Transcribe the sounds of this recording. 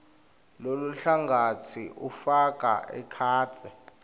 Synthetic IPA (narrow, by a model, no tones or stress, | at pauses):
loluɬaŋɡʱatʰiʔufak̬ʼa̰ʔɛ̰kʰaːtɛ